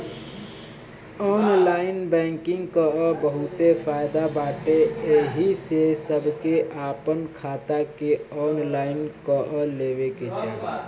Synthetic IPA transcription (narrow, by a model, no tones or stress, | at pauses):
ɔnlainbɛ̃ŋkĩŋɡkəəbəɦut̪efʰajd̪abaʈeeɦisesəbʱkeʔapənkʰat̪akeɔnlainkəʔəleβeked͡ʒa